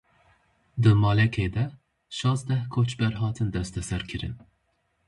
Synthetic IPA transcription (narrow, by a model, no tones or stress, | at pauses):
d̪ɨmɑːlɛkʰeːd̪ɛ | ʃɑːzd̪ɛhkʰot͡ʃbɛɾɦɑːt̪ʰɨnd̪ɛst̪ɛsɛɾkʰɨɾɨ̰n